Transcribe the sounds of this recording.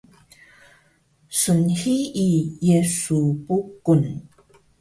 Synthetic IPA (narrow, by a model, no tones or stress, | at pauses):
sənhiijesupukun